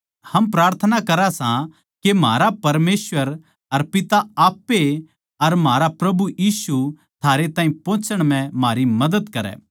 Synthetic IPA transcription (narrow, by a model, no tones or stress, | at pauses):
hɐmpɾaːɾt̪ʰənakɐɾasã | kemaːɾapɐɾmeːsʋəɾ | ɐɾpɪt̪aaːpːe | ɐɾmaːɾapɾɐbujiːsu | t̪ʰaːɾet̪aːɦĩpõːt͡ʃəɽ̃m̤ɛ̃maːɾimɐd̪əd̪kɐɾɛ̰ː